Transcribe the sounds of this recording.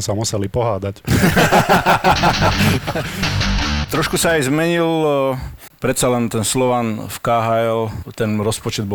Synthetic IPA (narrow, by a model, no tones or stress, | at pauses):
samusɛlipɔɦaːd̪ac | t̪ɾɔʃkusaːjzmɛɲil | pɾɛt̪salɛnt̪ɛnslɔʋanfkaɦaɛlt̪ɛnɾɔspɔt͡ʃɛd̪̚bɔ